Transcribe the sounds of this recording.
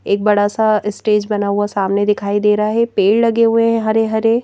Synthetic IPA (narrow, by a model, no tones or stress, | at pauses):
eːk̚bɐɽasaɪsʈeːd͡ʒbɐnaːɦuasaːmned̪ɪkʰaːid̪eːɾɐɦaɦɛpeːllɐɡeɦueɦɛ̃ɦɐɾeɦɐɾe